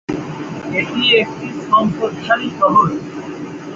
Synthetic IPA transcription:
eʈiek̚ʈisɔmpod̪ʃʰaɾit̪ɔɦol

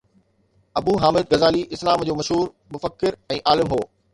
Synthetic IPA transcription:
ɐbuːɦaːmɪd̪̚ɣɐzaːliʔɪslaːmd͡ʑoːmɐʃɦuːɾ | mʊfəkːɪɾɛ̃ːʔaːlɪmɦoː

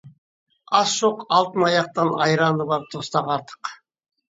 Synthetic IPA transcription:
ɑsʃoqɑlˠt̪ɯnɑjɑq̚t̪ɑnɑ̰jɾɑnuβɑɾ̚t̪ʰost̪ɑqɑɾt̪ʰɯ̥q

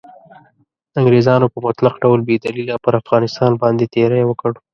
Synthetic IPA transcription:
aŋɡɾezɑnopəmʊt̪laqɖawlbed̪alilapəɾafɣɑnɪst̪ɑnbɑnd̪et̪eɾajwəkəɽo

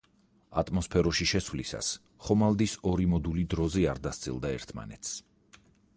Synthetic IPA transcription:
a̰t̪ʼmɔspʰɛɾɔʃiʃɛswlisa̰s | χɔmalˠd̪isɔɾimɔd̪ulid̪ɾɔziaɾd̪ast̪sʼḭlˠd̪aɛ̰ɾt̪ʰma̰nɛt̪s

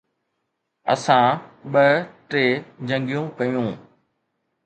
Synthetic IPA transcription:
ɐ̰sãːɓəʈeːd͡ʑɐ̃ŋɡijũkɐjũː

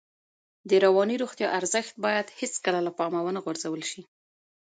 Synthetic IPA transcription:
d̪əɾawɑniɾoɣt̪jɑʔaɾzəxt̪̚bɑjad̪het͡skəlalapɑmawənaɣwaɾzawəlʃi

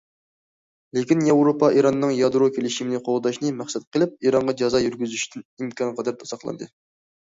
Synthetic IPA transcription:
lekʲinjɛwɾopɑʔiɾɑnːɨŋjɑd̪ɾokʲʰelɪʃimnɨqʰolˠd̪ɑʃnɨmæχsɛt̪̚qʰəlˠɪp̚iɾɑɴʁɑd͡ʒɑzɑjyɾɡʲyzyʃt̪ʰɪnimkʰʲɑnqʰɑd̪ɑɾt̪ʰɑsɑχlˠɑ̰nd̪ɨ

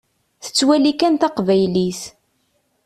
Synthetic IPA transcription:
θə̥t͡sːwælikænt̪ɑqvæjlis

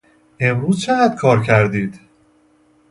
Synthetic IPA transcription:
ʔe̞mɾuːzt͡ʃʰeɣæd̪̥̚kʰɒːɾcʰæɾd̪iːd̪̥

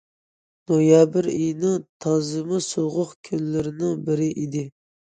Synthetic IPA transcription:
nojɑbɪɾijnɪŋt̪ʰɑzɨmɨsoʁʊχkʲʰynlɪɾɪnɪŋbɪɾɪʔid̪ɪ

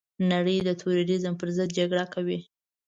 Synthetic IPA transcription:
naɽəjd̪ət̪ʰʊɾaɾizəmpəɾzəd̪̚d͡ʒaɡɽakawi

